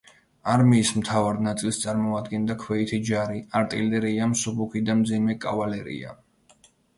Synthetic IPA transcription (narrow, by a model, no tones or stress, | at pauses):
aɾmiːsmt̪ʰavaɾnat̪sʼilˠst̪sʼaɾmɔad̪ɡɛnd̪akʰwɛit̪ʰid͡ʒaɾiaɾt̪ʼilɛɾiamsubukʰid̪amd̪zimɛkʼavalɛɾḭa̰